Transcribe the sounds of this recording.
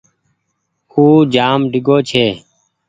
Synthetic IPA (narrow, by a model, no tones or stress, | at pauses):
uːd͡ʒaːmɖɪɡoːt͡ʃʰeː